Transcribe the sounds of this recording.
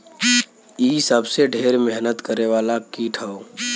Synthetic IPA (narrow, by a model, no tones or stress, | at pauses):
iːsəbseɖʱeːɾmɛɦnət̪kəɾeʋaːlakiːʈʰao